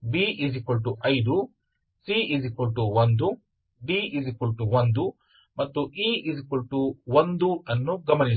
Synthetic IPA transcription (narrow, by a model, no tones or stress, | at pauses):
biːʔizikɐlʈuʔɐjd̪u | siizikulʈuʋɐnd̪u | biːʔizikulʈuʋɐnd̪u | mɐt̪ːuʔiːizikulʈuʋɐnd̪uɐnːuɡɐmɐni